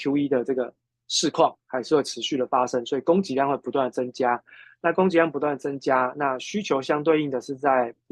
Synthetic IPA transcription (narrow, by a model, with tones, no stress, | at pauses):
ju˥i˦˥d̪ə˨ʈ͡ʂɤ˥˩ɡə˩ | ʂɻ̩˥˧kʰwɑ˥˩ŋxa˧˥ɪʂɻ̩˥˧we˥˩ʈ͡ʂʰɻ̩˧˦ɕy˥˩ɾə˩fa˦ʂə˦ŋswɔ˧˥i˨˩ko˥ŋt͡ɕi˧˥ljŋxwe˥˩pu˧t̪wa˥˩nd̪ə˩t͡sə˦ŋt͡ɕja˥na˥˩ko˥ŋt͡ɕi˨˧˥jŋ˩pu˥t̪wa˥˩nd̪ə˩t͡sə˦ŋt͡ɕja˥na˥˨ɕy˥t͡ɕʰjo˧˥ʊɕjɑ˥ŋt̪we˥˧ɪi˥˩ŋd̪ə˩ʂɻ̩˥˧t͡sa˥˩ɪ